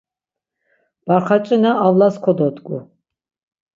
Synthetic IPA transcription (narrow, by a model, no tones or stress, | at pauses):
b̥aɾχat͡ʃʼinaavlaskʰɔd̪ɔt̪ɡʼṵ